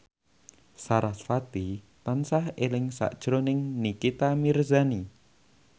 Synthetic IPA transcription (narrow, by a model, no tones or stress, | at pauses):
saɾasfat̪i | t̪ansahelɪŋsa̰ʔd̥ʒ̥ɾonɪŋnikit̪amirzani